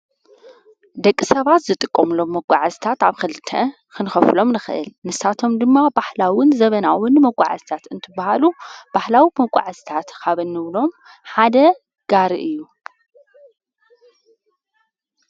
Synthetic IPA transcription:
d̪ɐkʼːisɐβat̪zɨt̪ʼɨkʼːɐmɨlo̞mːɐkʷʼːa̰ʕazt̪ʰat̪aβkʰɨlt̪ʰːɐ | kʰɨnɨxɐflo̞mnɨxɨʔɨ̰lnɨsat̪ʰo̞md̪ɨmːabaħlawɨnzɐβɐnawɨnːɨmɐkʷʼa̰ʕa̰zt̪ʰat̪ɨnt̪ʰɨbahalub̥aħlawimɐkʷʼːa̰ʕazt̪ʰat̪kʰaβɨnːɨβlo̞m | ħad̪ɐ | ɡ̥aɾɨʔɨjːu

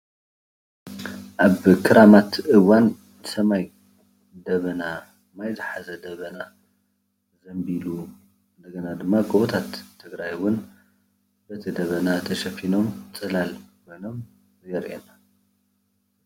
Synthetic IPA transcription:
ʔaβkʰɨɾʔamat̪ʔɨwan | sɐmaj | d̪ɐβɐna | majzɨħazɐd̪ɐβɐna | zɐmbilu | ɨnd̪ɐɡɐnad̪ɨmːakʼuβut̪ʰat̪ʰːɨɡɾajwʊn | b̥ɐt̪ʰid̪ɐβɐnat̪ʰɐʃɐfino̞mt͡sʼɨlalkʰojno̞m | jɛɾʔḛna

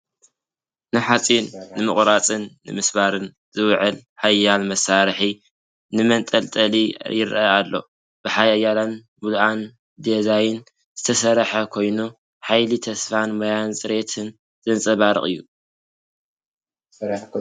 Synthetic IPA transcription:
nɨħat͡sʼinːɨmɨ̰χʼɾat͡sʼɨnːɨmɨsβaɾɨn | z̥ɨwʕɨlħajːalmɐsaɾħi | nɨmɐnt̪ʼɐlt̪ʼɐlijɪɾʔaalːo̞̰ | b̥ɨħajajːalan | mulʔan | d̪ezajɪn | z̥ɨt̪ʰɐsɐɾħɐkʰo̞jnu | ħajlit̪ʰɐsfanmajansʼɨɾe̞t̪ʰɨn | z̥ʼɨnt͡sʼɐβaɾɨ̰χʼɨ̰jːu

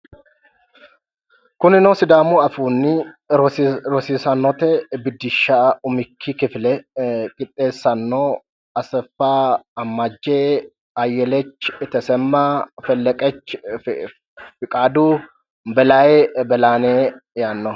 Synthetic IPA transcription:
kʊnɪnosɪd̪aːmuɐfuːnːɪ | ɾɔsiːsɐnːɔt̪ɛbɪd̪ːɪʃːaʊmɪkʰːikɪflɛkʼɪt̪ʼːe̞ːsːɐnːo | ɐsɛfːaːɐmːad͡ʒːeː | ɐjːɛlɛt͡ʃːɪt̪ɛsɛmːafɛlːɛkʼɛt͡ʃː | fɪkʼaːd̪uː | bɛlajɛbɛlaːneːjaːnːɔ

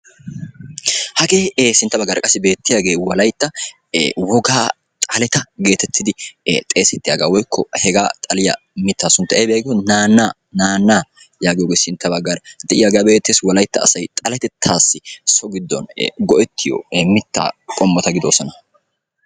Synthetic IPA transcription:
hɐɡeːsɪnt̪ːɐbɐɡːɐːɾɐkʼɐsːɪbe̞ːt̪ːɪjaːɡe̞ːwɐlɐjt̪ːɐ | wɔɡaː | t̪ʼɐlɛt̪ɐɡe̞ːt̪ɛt̪ʰːɪd̪ɪt̪ʼe̞ːsɛt̪ːɪjaːɡa̰ːwɔjkʰːɔhɛɡaːt̪ʼɐlɪjɐ̰ | mɪt̪ːaːsʊnt̪ːɐʔebjaːɡɪɔnaːnːaː | naːnːaː | jaːɡɪjoːɡeːsɪnt̪ːɐbɐɡːɐɾɐd̪ɛʔɪjaːɡjabe̞ːt̪ːeːswɐlɐjt̪ːɐ̰ːsɐjt̪ʼɐlɛt̪ɛt̪ʰːaːsːɪsɔɡɪd̪ːɔ̰nɡɔʔɛt̪ːɪjɔ̰mɪt̪ːa̰ːkʼɔmːɔt̪ɐɡɪd̪oːsɔnɐ

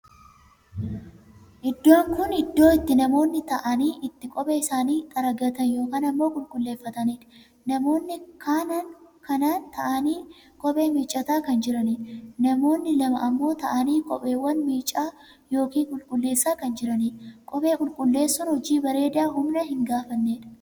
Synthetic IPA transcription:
ʔɪd̪ːo̞ːŋkʊnɪd̪ːo̞ːɪt̪ːɪnɐmo̞ːnːɪt̪ɐʔɐniːʔɪt̪ːɪkʼɔpʼeːɪsaːniːt̪ʼɐɾɐɡɐt̪ɐnjo̞ːkaːnɐmːo̞ːkʼʊlkʼʊlːe̞ːfːɐt̪ɐniːᶑ̪ | nɐmo̞ːnːɪkʰaːnɐŋkɐnaːnt̪ɐʔɐniː | kʼɔpʼe̞ːmiːt͡ʃʼːɐt̪aːkɐnd͡ʒɪɾɐniːᶑnɐmo̞ːnːɪlɐmɐʔɐmːo̞ːt̪ɐʔɐniːkʼɔ̰pʼe̞ːwːɐnmiːt͡ʃʼːaː | jo̞ːkiːŋkʼʊlkʼʊlːe̞ːsːaːkɐnd͡ʒɪɾɐniːᶑkʼɔpʼe̞ːkʼʊlkʼʊlːe̞ːsːɔnhɔd͡ʒiːbɐɾe̞ːd̪ɪjaːɦʊmnɐhɪŋɡaːfɐnːeːᶑɐ̥

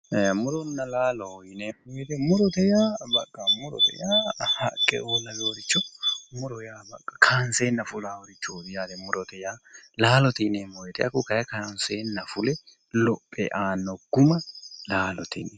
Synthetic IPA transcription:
mʊɾɔnːɐlaːlɔɔjɪnemɔjɛt̪ɛmʊɾɔt̪ɛjaːbɐkʼːɐmʊɾɔ̰t̪ɛ̰jaːhɐ̰kʼːɛ̰oːlɐloːɾɪt͡ʃːɔmʊɾɔjaːbɐkʼːɐ̥kʰaːnseːnːɐfʊlaːɔɾɪt͡ʃːuːd̪ɪjaːd̪ɛmʊɾɔt̪ɛjaːlaːlɔt̪ɪnemɔjɛt̪ɛɐkːʊkɐjɐkaːnseːnːɐfʊlɛ | lɔpʼːɛ̰ʔaːnːɔɡ̥ʊmɐlaːlɔt̪ɪ̰nɛ

